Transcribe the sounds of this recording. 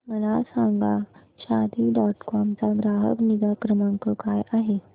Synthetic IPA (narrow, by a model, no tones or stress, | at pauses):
məɭasaŋɡa | ɕad̪ʱiɖɔʈkɔmt͡saɡɾaɦə̰knid̪akɾəmãŋkəkajʔaɦe